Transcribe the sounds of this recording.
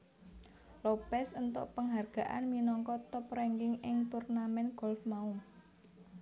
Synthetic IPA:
lopɛsənt̪o̰ʔpəŋɦarɡ̥a̤ʔa̰nminɔŋkɔt̪ɔpɾɛŋɡɪŋɪŋt̪urnamɛnɡ̥ɔ̤lfmaum

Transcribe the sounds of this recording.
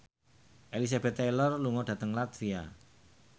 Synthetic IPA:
ʔelis̬ab̥ɛt̪ːelɔrluŋɔɖ̥ä̤t̪əŋlat̪fia

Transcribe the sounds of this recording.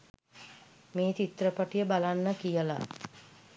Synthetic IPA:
meːt̪it̪rəpəʈijəbalanːəkijəla̰

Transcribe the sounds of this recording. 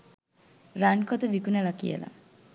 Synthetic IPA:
ɾaɳkɔt̪ebikunelakijḛla̰

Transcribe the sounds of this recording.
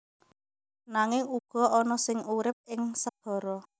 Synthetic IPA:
naŋɪŋuɡ̥ɔ̤ɔnɔsɪŋuɾɪp̚ɪŋsəd̪̥ɔ̤ɾɔ

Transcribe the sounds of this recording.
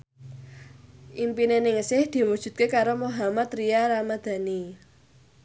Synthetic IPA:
ʔimpinenɪŋsɪhd̪̥i̤wud̥ʒ̥ṳt̪̚kekaɾomoɦamat̪rijaɾamad̪̥a̤ni

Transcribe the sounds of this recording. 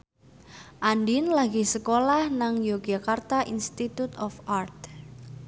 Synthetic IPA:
ʔandinlaɡisəkolahnaŋjoɡakart̪aʔḭnst̪it̪ut̪ɔfart̪̚

